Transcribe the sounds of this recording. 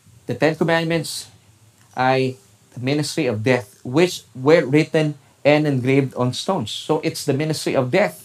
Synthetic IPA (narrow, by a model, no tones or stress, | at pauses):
d̪̥ət̪ɛ̃nkɔmæ̃ndmɛ̃nt̪s | ʔaɹ | d̥̪əmɪnɪst̪ɹiɔvd̪ɛθ | wɪt͡ʃwɛɹɹɪt̪ɛ̃n | ɛ̃ndɛ̃nɡɹevd̪ɔ̃nst̪õʊ̃nsːoʔɪt̪sd̪əmɪ̃nɪst̪ɹiʔɔvd̪ɛθ